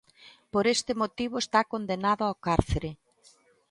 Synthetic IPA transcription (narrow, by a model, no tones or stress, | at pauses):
poɾest̪ɪmot̪iβ̞ʊest̪akond̪enaðʊawkaɾθeɾe